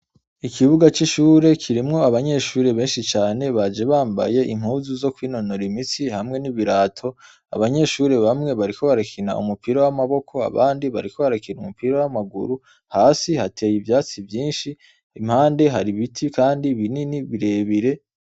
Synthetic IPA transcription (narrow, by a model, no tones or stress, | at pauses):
ikʰiβuɡat͡ʃiʃuːɾe̞kʰiɾimŋo̞aβaɲe̞ʃuːɾe̞βe̞ːnʃit͡ʃaːne̞βad͡ʒe̞βaːmba̰je̞ʔim̥huzuzo̞kwiːno̞no̞ɾimisihamŋe̞niβiɾaːtʰo̞ | a̰βaɲe̞ʃuːɾe̞βamŋe̞βaɾikʰo̞βaɾakʰina̰ʔṵmupiɾawamaβo̞kʰo̞a̰βaːndiβa̰ɾikʰo̞βaɾakinumupiɾawamaɡṵɾu | haːsihatʰe̞ːjivjaːt͡sivjiːnʃi | imhaːnde̞ɦaɾiβitʰikaːndiβininiβiɾe̞ːβiɾe̞